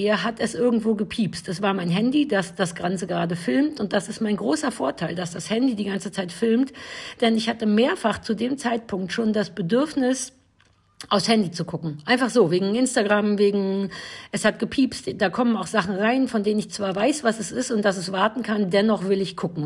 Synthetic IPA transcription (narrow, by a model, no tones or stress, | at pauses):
iːɐɦatɛsʔɪɐɡŋ̩tv̥oːɡəpʰiːpstɛsv̥aːɐmaɪnɦɛndid̥asd̥asɡ̥ʁant͡səɡəʁaːdəfɪlmtʊnt̚d̥asɪstmaɪnɡʁoːsɐfoːɐtʰaɪldasd̥ashɛndidiːɡant͡sət͡saɪtfɪlmtd̥ɛnɪçhatəmeːɐfaχt͡sudeːmt͡saɪt̚pʰʊŋktʃoːndasb̥ədʏɐfnɪs | ʔaʊfshɛndit͡sukʰʊkŋ̩ʔaɪnfaχz̥oːveːɡŋ̩ʔɪnstaɡʁamveːɡŋ̩ʔɛshat̚ɡ̥əpʰiːpstd̥aːkʰɔmənaʊxz̥aχn̩ʁaɪnfɔndeːnənɪçt͡sv̥aːɐvaɪsv̥asɛsɪstʊnt̚d̥as̬ɛsv̥aɐtn̩kʰandɛnɔχv̥ɪlɪçkʰʊkŋ̩